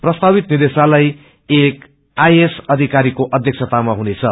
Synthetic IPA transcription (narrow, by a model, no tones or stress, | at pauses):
prʌst̪abit̪̚nid̪esalaj | ek | ajesʌd̪ʱikaɾikoʔʌd̪ʱjʌk̚sʰʌt̪amaɦunet͡sʰʌ